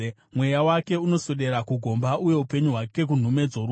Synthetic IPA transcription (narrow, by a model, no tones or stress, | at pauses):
mwe̞jawake̞uno̞soɗe̞ɾakuɡʱo̞mbaʔuje̞upe̞ɲuɦwake̞k̬un̤ume̞d͡zoɾu